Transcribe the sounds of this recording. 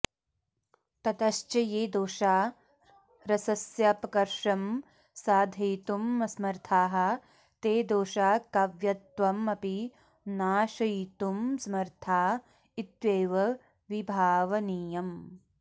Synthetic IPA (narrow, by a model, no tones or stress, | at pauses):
t̪ɐt̪ɐʃt͡ʃɐjeːd̪oːʃaː | ɾɐsɐsjɐɐpɐkɐɾʂɐm | saːd̪ʱɐjt̪umɐsmɐɾt̪ʰaːɦɐ | t̪eːd̪oːʃaːkɐʋjɐt̪ʋɐmɐpi | naːʃɐjt̪umsɐmɐɾt̪ʰaː | it̪ʋeːʋɐ | ʋibʱaːʋɐniːjɐm